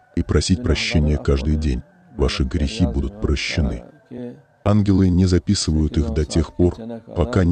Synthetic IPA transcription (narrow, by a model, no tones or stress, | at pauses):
ipɾʔɐsʲitʲpɾɐɕːenʲɪjəkaʐd̪ɨjdʲenʲ | vaʂɨɡɾʲɪxʲibud̪ʊt̪̚pɾəɕːɪnɨ | anɡʲɪlˠɨnʲɪzɐpʲisɨvəjʊt̪ixd̪ɐtʲe̞xpo̞rpɐka